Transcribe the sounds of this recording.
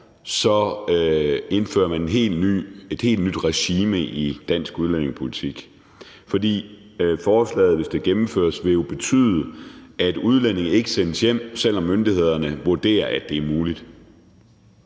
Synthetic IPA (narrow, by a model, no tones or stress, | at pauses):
sɒ̽ | e̝nfø̰ːɐmænenɦe̝̰ːlny̰ːe̝d̥he̝̰ːldnyd̥ʁɛɕiːməʔid̥æn̰sɡ̥uðˠlene̝ŋpʰo̝lit͡sʰiɡ̥ | fɒ̽d̥ḭː | fɒːslɛ̰ːð̩ˠʋe̝sd̥e̝ɡ̥emm̩fø̰ɐsʋe̝jo̝b̥e̝t͡sʰy̰ːðˠəæd̥uð̞ˠlen̰e̝ŋ̩e̝ɡ̥əsenəsjem̰sel̰ɒ̽mːønd̥ihe̝ð̞̰ˠɐnəʋuɐd̥e̝̰ːɐʔæd̥e̝æɐmuːlid̥